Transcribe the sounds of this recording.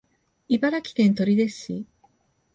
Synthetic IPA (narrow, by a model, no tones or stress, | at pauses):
ibaɾakʲi̥k̪ẽnt̪o̞ɾʲid̪esɕḭ